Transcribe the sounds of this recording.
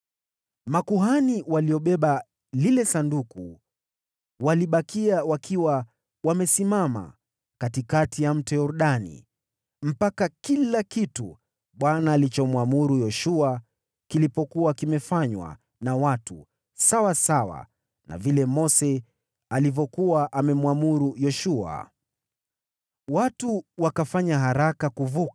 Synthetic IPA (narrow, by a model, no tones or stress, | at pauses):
makuɦaniwaliɔɓɛɓa | lilɛsanduku | waliɓakiawakʰiwa | wamɛsimama̰ | katikatijam̩tɛjɔɾuɗanḭ | m̩pakakilakitu | ɓwanaːlit͡ʃɔmwamuɾujɔʃua | kilipɔkuwakimɛfaɲwa̰ | nawatṵ | sawasawa̰ | na̰vilɛmɔsɛ | alivɔkuwaʔamɛmuamuɾujɔʃua̰ | watuwakafaɲaɦaɾakakuvuka